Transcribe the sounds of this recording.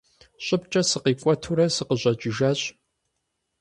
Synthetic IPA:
ɕʷʼʊpt͡ʃʼɐsɨqiːkʷʼɔtʰuɾɐsɨqəʑʷʼɐt͡ʃʼɪʒaːɕʼ

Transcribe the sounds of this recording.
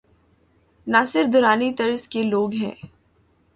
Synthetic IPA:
nasɪɾfd̪ʱʊɾaːnit̪ɐɾskeloːɡɦɛ̰̃ː

